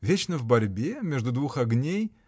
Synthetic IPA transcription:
vʲet͡ɕnəvbɐɾʲbʲemʲeʐd̪ud̪vuxɐɡnʲej

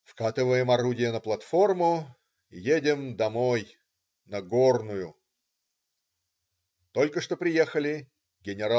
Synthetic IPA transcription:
fkat̪ɨvəjɪmɐɾudʲɪjənəplˠɐt̪fo̞rmʊ | jedʲɪmd̪ɐmo̞j | nɐɡo̞rnʊjʊ | t̪o̞lʲkəʂt̪opɾʲɪjexəlʲɪ | ɡʲɪnʲɪɾa

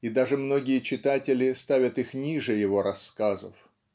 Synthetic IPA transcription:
id̪aʐɨmno̞ɡʲɪjət͡ɕɪt̪atʲɪlʲɪst̪avʲət̪ixnʲiʐɨjɪvo̞ɾɐsːkazə̰f

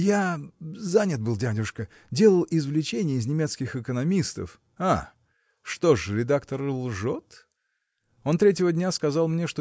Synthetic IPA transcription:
jazanʲət̪̚bɨlˠdʲadʲɪʂkə | dʲe̞lˠəlˠɪzvlʲɪt͡ɕenʲɪjəɪznʲɪmʲe̞t̪skʲɪxɪkənɐmʲist̪ə̰f | a | ʂt̪o̞ʂɾʲɪd̪akt̪ərlˠʐot̪ | o̞nt̪ɾʲetʲɪvədʲnʲaskɐzɑlˠmnʲe̞ʂt̪o

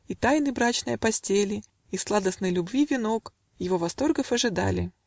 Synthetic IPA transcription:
it̪ajnɨjbɾat͡ɕnəjəpɐsʲtʲelʲɪ | islˠad̪əsnəjlʲʊbvʲivʲɪno̞k | jɪvo̞vɐst̪o̞rɡəfɐʐɨd̪a̰lʲɪ̰

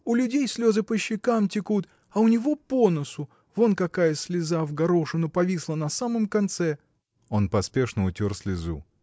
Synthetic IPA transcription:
ʊlʲʉdʲejsʲlʲo̞zɨpəɕːɪkamtʲɪkut̪ | ɐʊnʲɪvo̞ponəsʊ | vo̞nkɐkajəsʲlʲɪzavɡɐɾoʂɨnʊpɐvʲislˠənɐsaməmkɐnt̪sɛ | o̞npɐspʲe̞ʂnəʊtʲorsʲlʲɪzṵ

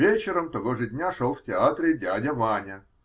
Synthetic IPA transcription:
et͡ɕɪɾəmt̪ɐɣoʐɨdʲnʲaʂolˠftʲɪat̪ɾʲɪdʲadʲɐvanʲɐ

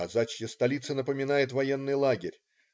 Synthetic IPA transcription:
ɐzat͡ɕjəst̪ɐlʲit̪sənəpəmʲɪnajɪt̪vɐje̞nːɨjlˠaɡʲɪɾʲ

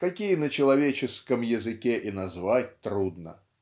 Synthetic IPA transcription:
kɐkʲijənət͡ɕɪlˠɐvʲet͡ɕɪskəmjɪzɨkʲeʔinɐzvat̚ʲt̪ɾud̪̚nə̰

